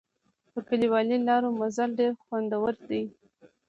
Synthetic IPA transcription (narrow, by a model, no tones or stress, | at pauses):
pəkaliwɑlilɑɾomazalɖeɾxwand̪awəɾd̪əj